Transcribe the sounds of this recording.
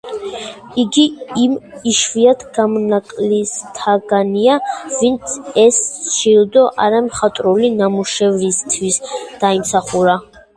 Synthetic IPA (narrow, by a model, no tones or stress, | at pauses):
iɡiimiʃviat̪ʰɡ̥amɔnakʼlist̪ʰaɡaniavint̪sʰɛsʃild̪ɔʔaɾɛmχat̪ʼɾulinamuʃɛvɾist̪ʰwisd̪̥aimsaχuɾa